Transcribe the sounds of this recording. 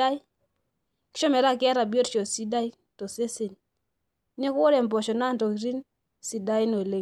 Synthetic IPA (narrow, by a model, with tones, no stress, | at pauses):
a˦j | ki̥˦ʃɔ˦mɛ˨ɾa˦˨kɛ˦ɾa˨bi˦o˦tt͡ʃo˨si˦da˦i˦ | to˨se˦se˨n | ne˦kɔ˦ɾɛ˨mbɔ˨ʃɔ˨na˦˨nto˨ki˨ɾi˦n | si˨da˦i˦no˨le˨